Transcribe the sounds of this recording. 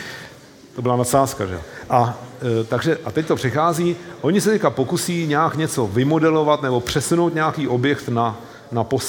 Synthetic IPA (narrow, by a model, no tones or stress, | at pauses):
t̪obɪlanasaːska̰ʒɛ̰o̰ʔat̪aɡʒɛʔat̪ɛct̪o̞pr̥ɪxaːziːʔo̞ɲɪsɛt̪ɛckapo̞kusiːɲaːkɲɛt͡so̞vɪmo̞dɛlo̞vat̪nɛbo̞pr̝̥ɛsunowt̪ɲaakiːʔo̞bjɛkt̪na | napos